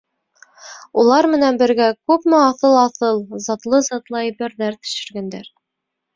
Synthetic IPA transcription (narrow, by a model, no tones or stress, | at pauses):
ulˠɑɾmɘ̆nænbɘ̆ɾɡækʉpmɘɑθɤlˠɑθɤlˠzɑt̪lˠɤzɑt̪lˠɑiβɘ̆ɾðæɾt̪ɵ̥̆ʃɘ̆ɾɡænd̪æɾ